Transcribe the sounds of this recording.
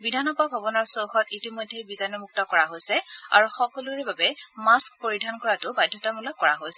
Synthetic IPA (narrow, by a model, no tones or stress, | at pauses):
bidʱanɔbabʱabɔnɔɹsowxɔtitimɔjdʱːebizanɔmuk̚tɔkɔɹaɦojsɛa̰ɹuxɔkɔluɹɛbabɛmaskpoɹidʱankɔɹatʊbajdʱjɔtamulɔkːɔɹaɦojsɛ